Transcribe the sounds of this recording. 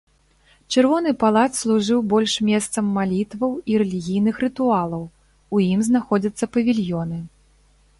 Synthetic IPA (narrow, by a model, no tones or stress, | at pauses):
t͡ʂɨrvɔnɨpalˠat̪slˠuʐɨwbɔlʲʂmʲɛst̪sɐmːalʲit̪vɐwiɾɛlʲiɣʲijn̪ɨxrɨt̪ualˠɐw | ujimznaxɔd͡zʲɐt̪sːɐpɐvʲilʲjɔnɨ